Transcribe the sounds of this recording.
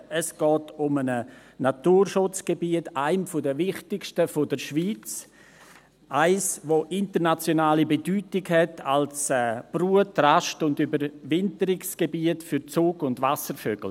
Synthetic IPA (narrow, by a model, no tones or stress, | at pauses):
əsɡ̥ɔːtʊmənənatuːɾʃʊt͡sɡ̥ebiətaɪmfʊdəvɪχtɪkʃtəfodəɾʃviːt͡s | ʔaɪsvoʔɪntəɾnat͡sjonaːlibedyːtɪɡhɛtʰalsɛːb̥ruːətraʃtʊndybəɾvɪntəɾɪksɡ̥ebiːətfyɾt͡suːɡʊndvasəɾføːɡ̥l̩